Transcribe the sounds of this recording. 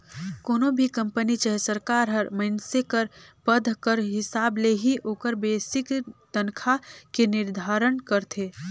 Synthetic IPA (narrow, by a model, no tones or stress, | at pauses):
koːnõbʱikɐ̃mpənit͡ʃəɦesəɾkaːɾɦəɾməɪnsekəɾpəd̪ʱkəɾɦɪsaːbleɦiʔoːkəɾbeːsɪkt̪ənkʰakenɪɾd̪ʱaːɾənkəɾt̪ʰeː